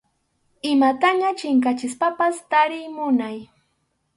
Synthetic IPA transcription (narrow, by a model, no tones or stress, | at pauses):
ɪmat̪aɲat͡ʃɪŋk̬at͡ʃɪspapast̪aɾɪjmʊnaj